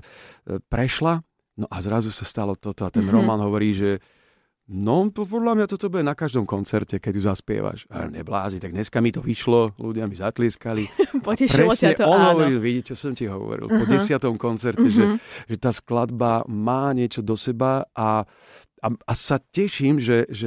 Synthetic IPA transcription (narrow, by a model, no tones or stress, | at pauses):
pɾɛʃla | nɔʔazɾazusast̪alɔt̪ɔt̪ɔat̪ɛnɾɔmaːnɦɔʋɔɾiːʒɛ | nɔppɔd̪lamɲat̪ɔt̪ɔbuɛnakaʒd̪ɔmkɔnt͡sɛɾcɛkɛc̚tuzaspɪɛ̰ʋa̰ʃa̰ɲɛ̰bla̰ːzɲit̪aɡɲɛskamit̪ɔʋiʃlɔlṵɟɪamizat̪lɪɛskalipɔɛʃpɾɛsɲɛɔnɦɔʋɔɾiːnɔʋiɟit͡ʃɛsɔmciɦɔ̰ʋɔ̰ɾḭlpɔɟɛsɪat̪ɔmkɔnt͡sɛɾtɛʒɛʒɛt̪aːsklad̪bamaːɲɪɛt͡ʃɔd̪ɔsɛbaʔa | aasacɛʃiːmʒɛʒɛ